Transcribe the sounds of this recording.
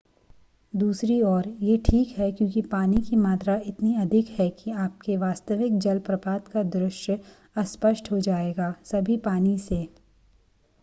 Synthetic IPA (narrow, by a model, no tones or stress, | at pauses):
d̪uːsɾiɔːɾjeʈʰiːkɦɛkjõːkipaːnikimaːt̪ɾaɪt̪niɐd̪ʱɪkhɛkiaːp̚keʋaːst̪əʋɪk̚d͡ʒɐlpɾɐpaːt̪kad̪ɾʊʃj | ɐspəʃʈɦod͡ʒaːeːɡaːsɐbʱipaːniseː